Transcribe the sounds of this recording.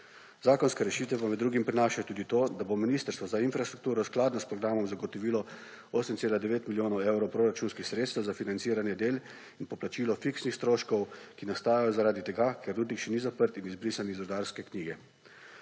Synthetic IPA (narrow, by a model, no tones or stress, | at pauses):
zaːkɔnskɛɾɛʃiːt̪ʋɛpamɛd̪d̪ːɾuːɡimpɾinaːʃat̪uːd̪it̪oːd̪abominiːst̪əɾst̪ʋɔzainfɾast̪ɾukt̪uːɾɔsklaːd̪nɔspɾɔɡɾaːmɔmzaɡɔt̪ɔʋilɔ | oːsɛmtseːlad̪ɛʋeːt̪miljoːnɔwewɾɔwpɾoɾat͡ʃuːnskixsɾeːt̪st̪ɛwzafinant̪siːɾanjɛd̪eːl | inpɔplat͡ʃiːlɔfiksnixst̪ɾoːʃkɔwkinast̪aːjajɔzaɾaːd̪it̪ɛɡakʰɛɾːuːd̪nikʃɛnizapəɾt̪inizbɾiːsanizɾɔd̪aːɾskɛkniːɡɛ